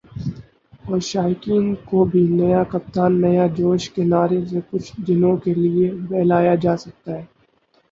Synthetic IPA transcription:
ɔːɾʃaːɪkiːnkobʱinɐjakɐp̚t̪aːnːɐjad͡ʒoːʃkenaːɾesekʊt͡ʃʰd̪ɪnõkeliebɛːlaːjad͡ʒaːsɐk̚t̪aɦɛː

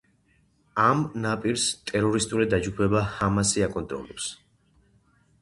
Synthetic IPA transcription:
amnapʼiɾst̪ʼɛɾɔɾist̪ʼulid̪ad͡ʒɡupʰɛbahamasiakʼɔnt̪ʼɾɔ̰lɛps

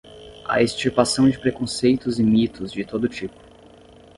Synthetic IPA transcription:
ɐ̰est͡ʃiɾpasɐ̃w̃d͡ʒɪpɾekõsejt̪ʊzɪmit̪ʊzd͡ʒɪt̪od̪ʊt͡ʃipʊ̥

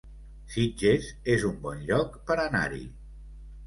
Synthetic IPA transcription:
sid͡ʒezezumbɔnʎɔkpəɾana̰ɾḭ

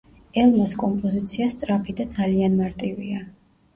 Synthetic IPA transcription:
ɛlˠmaskʼɔmpʼɔzit̪sʰiast̪sʼɾapʰid̪ad̪zalianmaɾt̪ʼivia

